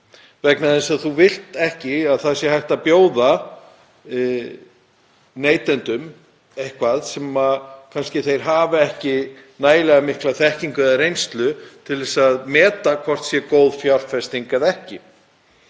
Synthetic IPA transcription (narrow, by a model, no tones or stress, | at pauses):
vɛknaðɪnsaðθuvɪl̥t̪ɛhcɪaðθaðsjɛɦajht̪apjoːwða | neːjt̪ɛnt̪ʏm | ejhkʰvaðsɛmakʰanscɪθejɾ̥ɦaːvɛhcɪ | naːjlɛɣamɪhklaθɛhciŋkʏðaɾejnst̪lʏt̪ʰɪlðvɛsaðmɛːt̪akʰvɔr̥t̪sjɛkoːwðfjawr̥fɛst̪iŋkaðɛhcɪ